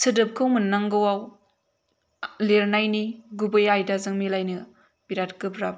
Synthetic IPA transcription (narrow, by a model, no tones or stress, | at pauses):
sɯdɯp̚kʰɯŋmɯnːaŋɡɯwaw | leɾnajniɡubɯjajdazɯŋmilajnɯ | biɾat̚kɯpɾap̚